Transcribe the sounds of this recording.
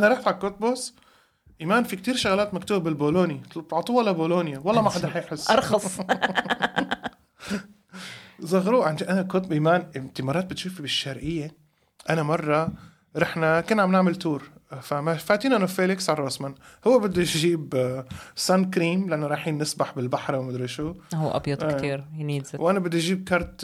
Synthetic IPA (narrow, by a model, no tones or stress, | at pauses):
ʔanaɾˤɑħfʕakːot̪̚bos | ʔimaːnfik̚t̪iːɾʃaɣlaːt̪makt̪uːbabɪlboːloːnit̪b̚t̪ʕt̪ˤuːwʔɪlaboːloːnjawɑlˤːɑːmaħad̪aħajħɪsːʔɑɾˤxɑs | zˤɑɣɾuːʕanʔanakot̪ʔimaːnʔɪmt̪ɪmɑːɾˤɑːt̪̚bɪt̪ʃuːfibɪʃːɑɾʕɪjːa | ʔanamɑrˤːɑ | ɾˤɑħnakɪnːʕamnaʕmɪlt̪uːɾfamafaːt̪iːnaʔanafeːlɪksʕarˤːoːsmanhʊwːabɪd̪ːiʒiːb | sankɾiːmlɪʔanːoɾˤɑːħiːnːɪsbaħbɪlbaħɾˤwmad̪ɾˤɪʃuhuʔɑ̰bjɑd̪eːt̪iːɾjniːwʔanabɪd̪ːiʔʒiːb̚kɑɾˤt̪